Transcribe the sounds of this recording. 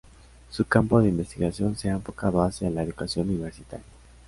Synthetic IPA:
sukampoðeimbe̞st̪iɣasjo̞nseaeɱfokaðoasjalaeðukasjo̞nuniβeɾsit̪a̰ɾja

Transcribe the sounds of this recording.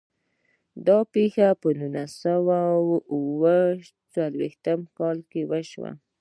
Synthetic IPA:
d̪ɑpexapənunəsawawuwə | t͡salwext̪əmkɑlkewəʃwa̰

